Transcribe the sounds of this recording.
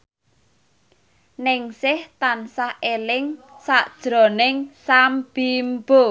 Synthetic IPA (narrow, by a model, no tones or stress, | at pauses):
nɪŋsɪht̪ansahelɪŋ | saʔd̥ʒ̥ɾɔ̤nɪŋsamb̥imbo